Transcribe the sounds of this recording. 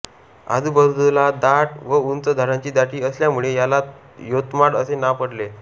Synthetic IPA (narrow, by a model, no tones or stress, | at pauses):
a̰d̪ʱubəd̪lad̪aʈʋəunt͡s̪əd̪ʱəɾãɲt͡ɕiːd̪aʈiːəsljamuɭejala | jot̪maɽəsenapəɽle